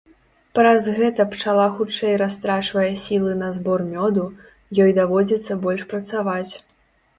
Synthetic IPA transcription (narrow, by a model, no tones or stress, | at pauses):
pɾɐzɣɛt̪ɐpt͡ʂalˠaxut͡ʂɛjɾast̪ɾat͡ʂvɐjɐsʲilˠɨnɐzbɔrmʲɔd̪u | jɔjd̪avɔd͡zʲɛt̪sːɐbɔlʲʂpɾɐt̪savat͡sʲ